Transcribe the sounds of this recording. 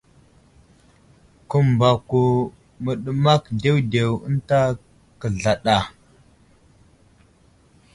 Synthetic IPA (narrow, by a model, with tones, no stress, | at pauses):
kə˨mba˨ku˨ | mə˨ɗə˦ma˦kde˦wde˨wə˦nta˦ | kə˨ɮa˨ɗa˨